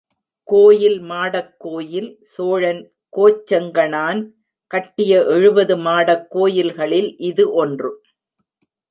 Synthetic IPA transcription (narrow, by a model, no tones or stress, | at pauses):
koːjɪlmaːɽɐkːoːjɪl | soːɻɐn | koːt͡ʃːɐŋɡɐɳaːn | kɐʈːɪjɐʔɛɻɯbɐðɯmaːɽɐkːoːjɪlɣɐɭɪlʔɪðɯʔɔndrɯ